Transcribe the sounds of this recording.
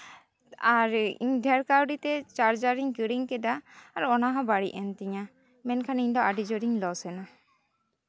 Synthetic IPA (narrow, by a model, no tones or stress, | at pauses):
aɾḭɲɖʱɛɾkawɖit̪ɛt͡ʃaɾd͡ʒaɾiɲkəɽiɲkɛd̪aːɾɔnaɦãbaɽḭʔɛnt̪iɲa | mɛnkʰaniɲd̪ɔaɖid͡ʒɔɾiɲlɔsɛna